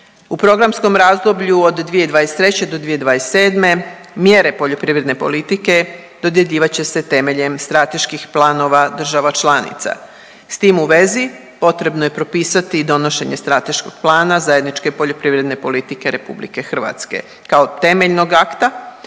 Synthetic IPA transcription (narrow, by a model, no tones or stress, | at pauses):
upɾo̞ɡɾamsko̞mɾaːzd̪o̞bʎuod̪ːʋije̞d̪ʋaːjest̪ɾe̞t͡ɕe̞d̪o̞d̪ʋijed̪ʋajest̪ːe̞ːd̪me̞ | mje̞ɾe̞po̞ʎo̞pɾiʋɾe̞d̪ne̞po̞̰lit̪ike̞ | d̪o̞d̪je̞ʎiːʋat͡ɕe̞se̞t̪e̞me̞ʎe̞mst̪ɾat̪e̞ʃkixplˠaːno̞ʋad̪r̩ʒaʋat͡ʃlˠaːnḭt̪sa̰ | st̪iːmuʋe̞zi | po̞t̪ɾe̞bno̞je̞pɾo̞piːsat̪id̪o̞no̞ʃe̞ɲe̞st̪ɾat̪e̞ʃkoɡ̥̚plˠaːnazaje̞d̪nit͡ʃke̞po̞ʎopɾiʋɾe̞d̪ne̞po̞lit̪ike̞ɾʔepṵblḭke̞xr̩ʋa̰t̪ske̞̰ | kaot̪e̞me̞ʎno̞ɡakt̪a